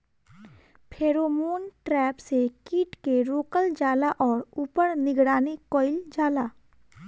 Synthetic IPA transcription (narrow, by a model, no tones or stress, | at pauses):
pʰeːɾoːmoːnʈɾɛːpsekiːʈkeɾoːkəld͡ʒaːlaʔɔːɾuːpəɾnɪɡɽaːnikɔːɪld͡ʒaːlaː